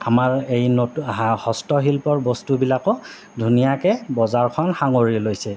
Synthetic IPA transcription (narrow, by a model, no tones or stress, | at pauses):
amaɹejnohɔstɔɦilpɔɹbɔstubilakɔ | dʱunijakɛbɔzaɹkʰɔnxaŋoɹilojsɛ